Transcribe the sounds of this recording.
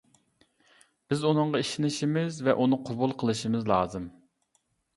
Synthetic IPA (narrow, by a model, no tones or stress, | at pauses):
b̥ɪzunɨŋʁɑiʃinɪʃimɪzvɛʔunɨqʰobulˠqʰəlˠɨʃimɨzlˠɑːzɨm